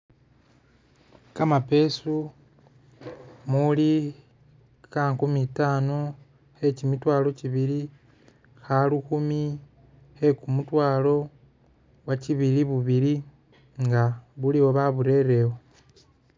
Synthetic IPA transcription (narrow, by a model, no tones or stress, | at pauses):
kamape̞su | muli | kaːŋkumitaːno | e̞cimitwaːlo̞ciβiɾi | xaluxumi | he̞kumutwaːlo̞ | waciβiliβuβiɾi | ŋɡaβuliwo̞βaβuɾe̞ɾe̞wo